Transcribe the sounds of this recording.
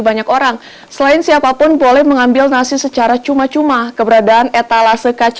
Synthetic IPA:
baɲakoɾaŋ | səlaɪnsiapapʊnbolɛhməŋambɪlnasɪsət͡ʃaɾat͡ʃumat͡ʃumakəbəɾadaːnɛt̪alasəkat͡ʃ

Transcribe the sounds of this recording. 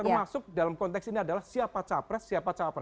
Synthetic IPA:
ərmasʊk̚dalamkɔnt̪ɛksiniadalahsiapat͡ʃapɾɛsːiapat͡ʃapɾɛ

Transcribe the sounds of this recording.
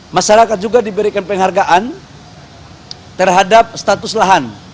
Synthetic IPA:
maʃaɾakat̪̚d͡ʒuɡadibəɾikanpɛŋɦarɡaʔan | t̪ərɦadap̚st̪at̪ʊslaɦan

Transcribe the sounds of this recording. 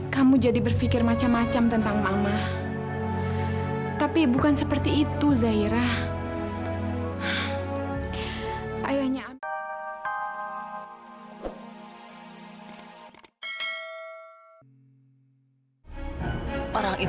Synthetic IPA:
kamud͡ʒadibərfikɪrmat͡ʃamːat͡ʃamt̪ənt̪aŋmamah | t̪apibukansəpərt̪iːt̪uzaiɾah | a̰jahɲaː | ʔoɾaŋʔi

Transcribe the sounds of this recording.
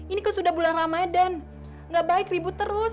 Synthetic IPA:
inikəsudahbulanramaadan | ŋɡaʔbaɪkribʊt̪ːəɾʊs

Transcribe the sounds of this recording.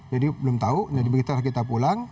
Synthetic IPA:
d͡ʒadibəlʊmt̪auadibəɡit̪alahkit̪apulaŋ

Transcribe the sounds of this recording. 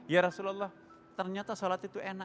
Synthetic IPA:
jaɾɔsulɔlːah | t̪ərɲat̪asolat̪it̪uena

